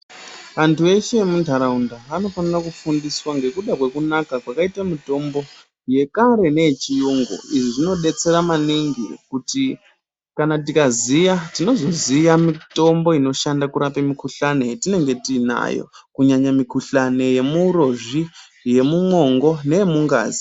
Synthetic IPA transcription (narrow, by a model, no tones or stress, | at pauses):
ʋantʰuʋe̞ʃemundʱaɾaundaʋano̞fanirakufundiswaŋɡe̞kuɗakwe̞kunakakwakaitamito̞mbo̞ | je̞kaɾe̞ne̞et͡ʃijuŋɡo̰iʐiʐino̞ɗe̞t͡se̞ɾamaniŋɡḭkuti | kanatikazijatino̞zo̞zijamito̞mbo̞ino̞ʃandakuɾapemikuɬane̞tine̞ŋɡe̞tiːna̰jo̰kuɲaɲamikuɬane̞je̞muːɾoʐi | je̞mumo̞ŋɡo̞ne̞jemuŋɡa̰ːzi̥